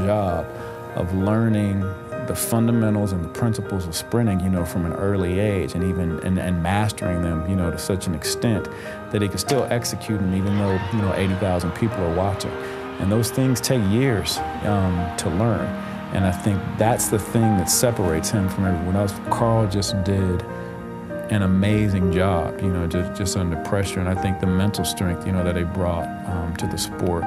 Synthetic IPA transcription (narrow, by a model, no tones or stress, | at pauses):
ɑb̥ | ʔʌ̰vlɜ̃˞nɪ̃ŋ | ðəfʌ̃ndəmɛ̃ɾ̃l̩ˠzə̃nðəpʰɹ̥ɪ̃nsəpl̩ˠzʌv̥spɹɪ̃ñɪ̃ŋjɨnoʊfɹʌ̃mɨ̃nɜ˞lˠieɪd͡ʒɨ̃nivɨ̃nɨ̰̃nɨ̰̃nmæstə̰˞ɪ̃ŋðɨ̃mjɨnoʊɾɨsʌt͡ʃɨ̃n̩ɨkstɛ̃n | ðɨt̚hikɨnstɪlˠɛksɨkʰj̥ʉɾɨ̃nivɨ̃nðoʊjɨñoʊʔeɪɾiθaʊz̃n̩pʰipl̩ˠə˞wɑt͡ʃɪ̰̃ŋ | ʔɨ̰̃nðoʊz̥θɪ̃ŋz̥tʰeɪkjɪɹz̥ | ʌ̃mtʰəlɜ̃˞n | ʔɨ̰̃naɪθɪ̃ŋk̚ðætsðɨθɪ̃ŋðɨtsɛpə˞eɪtshɨ̃ɱfɹʌ̃məwə̃nðæzkʰɑɹlˠd͡ʒʌsdɪɾ | ɨ̃ñəmeɪzɪ̃ŋd͡ʒɑb̥jɨnoʊd͡ʒʌsd̥ʒ̥ʌstʌ̃ndə˞pʰɹ̥ɛʃə˞ɨ̃naɪθɪ̃ŋk̚ðɨmɛ̃ntˡl̩ˠstɹ̥ɛ̃ŋk̚θjɨnoʊðɨt̪̚ðeɪbɹɔt̚ | ʌ̃mtʰɨðɨspɔɹt̚